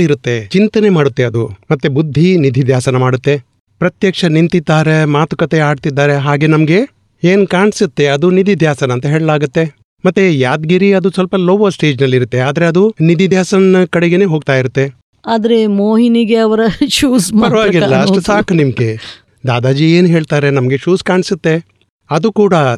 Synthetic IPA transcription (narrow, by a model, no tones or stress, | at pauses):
iɾut̪ːe̞t͡ʃint̪ɐne̞maːɽut̪ːe̞ɐd̪umɐt̪ːebud̪ʱːinid̪ʱid̪ʱjaːsɐnɐmaːɽut̪ːe̞ | pɾɐt̪jɐkʂɐnint̪id̪ːaːɾemaːt̪u̥kɐt̪eaːɖt̪id̪ːaːɾe̞ɦaːɡe̞nɐmɐɡe̞ | eːnkaːɳsit̪ːe̞ɐd̪unid̪ʱid̪ʱjaːsɐnɐːnt̪ɐɦeːɭɐlaːɡut̪ːe̞ | mɐt̪ːejaːd̪ɡiɾiɐd̪usɐlpɐloʋɐsʈe̞ːd͡ʒnɐlːiɾut̪ːe̞aːd̪ɐɾeɐd̪unid̪id̪ʱjaːsɐnnɐkɐɽeɡene̞ːɦoːɡ̚t̪aːjiɾut̪ːe̞ | aːd̪ɐɾemoːɦiniɡeɐʋɐɾɐt͡ʃuːspɐɾɐʋaːɡilːɐɐʂʈusaːkɐnimɐɡe | d̪aːd̪aːd͡ʒieːnɦe̞ːɭt̪aːɾe̞nɐmɐɡe̞t͡ʃuːskaːɳsut̪ːe̞ | ɐd̪ukuːɽɐ